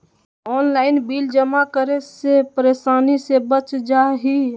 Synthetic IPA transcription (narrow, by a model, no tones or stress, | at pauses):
ɔːnlaːɪnbiːld͡ʒəmakəɾesepəɾeːsaːnisebət͡ʃd͡ʒaɦi